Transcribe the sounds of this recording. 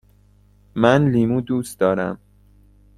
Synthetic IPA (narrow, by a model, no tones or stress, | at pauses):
mænliːmuːd̪uːst̪d̪ɒːɾæ̰m